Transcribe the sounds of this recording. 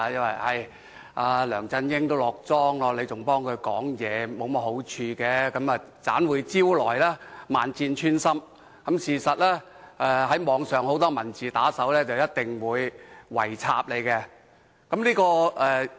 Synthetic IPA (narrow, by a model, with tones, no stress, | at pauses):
jɐ˥nwɐ˨jhɐ˨˩j | ʔaː˨˧lœː˨˩ŋt͡sɐ˧njɪ˥ŋt̪o˥wlɔː˨˩k̚t͡sɔː˥ŋlɔː˧le˨˧jt͡sʊ˨ŋpɔː˥ŋkʰɵ˨˧ɥkɔː˨˥ŋjɛː˨˧mo˨˧wmɐ˥t̚ho˨˥wt͡ʃʰyː˧kɛː˧kɐ˨˥mɐː˨t͡saː˨˥nwuː˨˧jt͡siː˥wlɔː˨˩jlaː˥aː˨nt͡siː˧nt͡ʃʰyː˥nsɐ˥m | kɐ˨˥msiː˨˩sɐ˨t̚lɛː˥ | ʔɛː˧ɦɐ˨˥jmɔː˨˧ŋsœː˨ŋho˨˥wt̪ɔː˥mɐ˨˩nt͡siː˨t̪aː˨˥sɐ˨˥wlɛː˥t͡sɐ˨wjɐ˥t̚t̪ɪ˨ŋwuː˨˧jwɐ̰˨˩jt͡sʰa̰ː˧p̚le˨˧jkɛ˧ | kɐ˨˥mliː˥kɔː˧ɛː˧